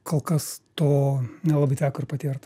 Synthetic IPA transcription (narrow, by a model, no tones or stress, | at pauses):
koːlˠkɐst̪oːnʲɛlˠɑːbɐɪt̪ʲæːkʊɪrpɐt̪ʲiːrt̪ɐ